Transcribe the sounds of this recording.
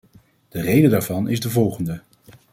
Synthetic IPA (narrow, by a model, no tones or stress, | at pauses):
d̥ərejdədaːɹvɑnɪzdəvɔlˠχəndə